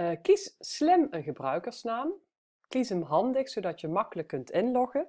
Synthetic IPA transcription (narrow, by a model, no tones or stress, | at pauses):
kisslɪmənɣəbrœɥkəɹsnaːm | klisəmɦɑndəxsodɑtjəmɑkələkːɵntɪnlɔkə